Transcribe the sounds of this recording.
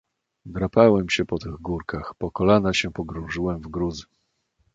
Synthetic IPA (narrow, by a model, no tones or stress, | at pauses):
vɾapawɛmɕɛpɔt̪ɘɣɡuɾkaxpɔkɔlanaɕɛpɔɡɾɔ̃ʐɘwɛmvɡɾuzɘ